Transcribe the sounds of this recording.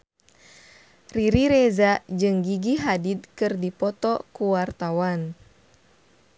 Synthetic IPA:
riɾiɾɛzad͡ʒɨŋɡiɡiɦadid̪̚kɨrdipɔt̪ɔkuwart̪awan

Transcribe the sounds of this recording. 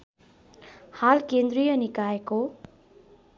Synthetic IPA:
halkend̪rijʌnikaeko

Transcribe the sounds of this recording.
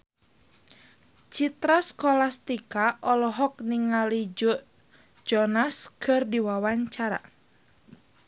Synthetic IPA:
t͡ʃit̪ɾaskɔlast̪ikaʔɔlɔɦɔk̚niŋalid͡ʒɔʔ | d͡ʒɔnaskʰɨrdiwawaɲt͡ʃaɾa̰

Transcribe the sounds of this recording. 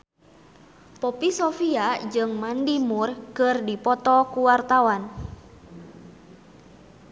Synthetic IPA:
pɔpisɔfiad͡ʒɨŋmandimurkɨrdipɔt̪ɔkuwart̪awan

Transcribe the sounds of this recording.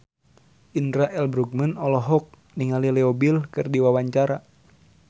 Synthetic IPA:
ʔindɾaʔɛlbɾuk̚mənɔlɔɦɔk̚ | niŋalilɛɔbilkɨrdiwawaɲt͡ʃaɾa

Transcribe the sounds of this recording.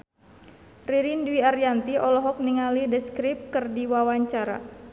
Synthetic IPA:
riɾindwiarjant̪iʔɔlɔɦɔk̚niŋalidəskɾɪp̚kɨrdiwawaɲt͡ʃaɾa̰

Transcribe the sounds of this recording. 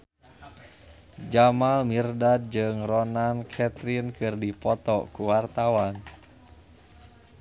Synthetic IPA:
d͡ʒamalmirdad̚d͡ʒɨŋrɔnankʰɛt̪ɾinkɨrdipɔt̪ɔkuwart̪awan

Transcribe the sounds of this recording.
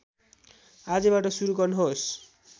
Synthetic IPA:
ad͡zʌbaʈʌsuɾuɡʌrnʌɦos

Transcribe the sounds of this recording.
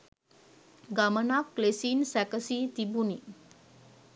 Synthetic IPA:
ɡamənakːlesinsɛkəsit̪ibuni

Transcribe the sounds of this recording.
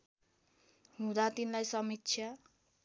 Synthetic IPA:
ɦũd̪at̪inlajsʌmik̚t͡sʰjʌ

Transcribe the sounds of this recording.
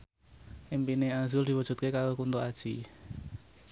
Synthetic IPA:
ʔimpineazʊld̥̪i̤wə̥ʒ̥ṳt̪̚kekalokunt̪oad̥ʒ̥i

